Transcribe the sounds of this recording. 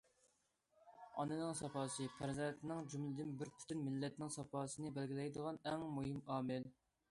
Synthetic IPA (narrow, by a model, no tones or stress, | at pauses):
ɑ̰nɨnɪŋsɑpʰɑːsɨpʰæɾzɛnt̪nɪŋd͡ʒumlɪd̪ɪnbɪɾpʰy̥t̪ʰynmɪlːɛt̪nɪŋsɑpʰɑːsɨnɨbɛlɡʲilɛjd̪əʁɑnɛŋmuɦɪmɑːmɪl